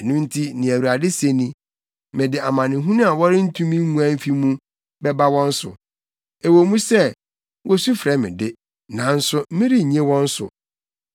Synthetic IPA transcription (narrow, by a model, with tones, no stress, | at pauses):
nʊ̃˦n̩˦tʰi˦nɪ̃˨æ˨wu˨a˨dɪ˦se˨nĩ˦ | mɪ̃˨dɪ˨a˨mã˨nɪ̃˨˦ɦũ˦nʊ̃˦a˨wɔ˦ɾɪ˦n̩˦tʰũ˦mĩ˦ũ˦ã˦m̩˦fi˦mũ˦ | bɛ˦ba˦wɔ̃˦n̩˦sʊ̰˨ | e˨wo˨˦mũ˦sɛ˦ | wɔ˦su˦fɾɛ˦mɪ̃˨dɪ˦ | nã˨n̩˦sʊ˦mɪ̃˦ɾi˦˨ɲ˦ẽ˦wɔ̃˦n̩˦sʊ̰˨